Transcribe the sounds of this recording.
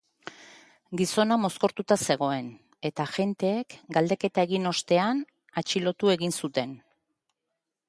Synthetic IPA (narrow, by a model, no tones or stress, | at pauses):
ɡiso̞namo̞sko̞ɾt̪ut̪ase̞ɣ̞o̞e̞n | e̞t̪aʝe̞nt̪e̞ːkɡald̪e̞ke̞t̪ae̞ɣino̞st̪e̞an | at͡ʃilo̞t̪ue̞ɣinsut̪e̞n